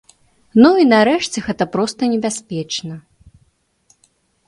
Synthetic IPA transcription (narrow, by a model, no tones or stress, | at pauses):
nuinaɾɛʂt͡sʲɛɣɛt̪ɐpɾɔst̪ɐnʲɛbʲasʲpʲɛt͡ʂnɐ